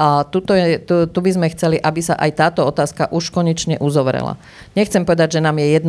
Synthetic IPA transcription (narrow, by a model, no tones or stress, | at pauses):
at̪ut̪ɔjɛɛt̪ut̪ubizmɛxt͡sɛliʔabisaʔajt̪aːt̪ɔɔt̪aːskaʔuʃkɔɲɛt͡ʃɲɛʔuzɔʋɾɛ̰la̰ | ɲɛxt͡sɛmpɔʋɛd̪aɟʒɛnaːmjɛjɛd̪n